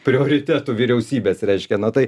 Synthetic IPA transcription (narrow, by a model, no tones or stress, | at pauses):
pʲɾʲɪoːɾʲɪt̪ʲæːt̪uːʋʲɪɾʲɛʊsʲiːbʲeːsɾʲɛɪʃʲkʲɛnɐt̪ɐɪ